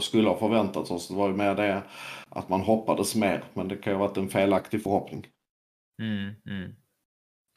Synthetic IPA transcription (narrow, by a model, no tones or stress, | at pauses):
skɵlːəhafœɾvɛnt̪at̪sɔsd̪ɛvaɾjəmeːɾd̪ɛʔa̰t̪manɦɔpːad̪əsmeːɾmɛnd̪ɛkʰanjʏhʋat̪ːɛnfeːlakt̪ɪɡfœɾhɔpnɪŋ̩